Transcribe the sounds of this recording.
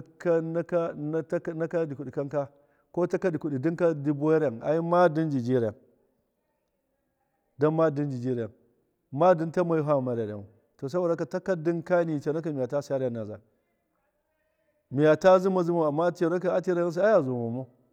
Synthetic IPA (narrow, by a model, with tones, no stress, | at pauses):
a˦ka˦na˦ka˦na˦ta˦na˦ka˦di˨ku˨ɗi˨ka˦ŋka˦ | ko˦ta˦ka˦di˨ku˨ɗi˨di˦ŋka˦di˦bu˦e˦ɾa˨ŋa̰˨ji˦ma˦di˦nd͡ʒi˨d͡ʒi˦ɾa˨n | da˦nma˦di˦nd͡ʒi˨d͡ʒi˦ɾa˨n | ma˦di˦nta˦ma˨ji˦ɦa˦˨ma˨ɾe˨dḛ˨mo˨ | to˨s̬a˦bo˨da˦ka˨ta˦ka˦di˦nka˦ni˨t͡ʃa˨na˦ka˨mi˨ja˨ta˦sa˦ɾa˨na˨za̰˨ | mi˨ja˨ta˦zi˦ma˨zi˦mo˦a˨mːa˦te˨ɾa˦ka˨a˦ti˦ɾa˦a˦s̬i˦a˦ja˨zu˨mo˨mo˦